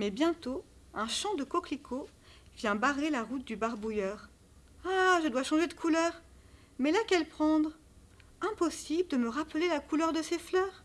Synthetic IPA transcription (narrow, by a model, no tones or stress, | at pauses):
mɛbjɛ̃t̪o | ɛ̃ʃɑ̃d̪əkɔklikʰo | vjɛ̃baʁelaʁut̪̚d̪ybaʁbujœʁ | aʒəd̪waʃɑ̃ʒed̪əkʰulœːʁ | mɛlakɛlpχɑ̃d̪ʁ | ɛ̃pɔsibləd̪əməʁapəlelakulœʁd̪əseflœːʁ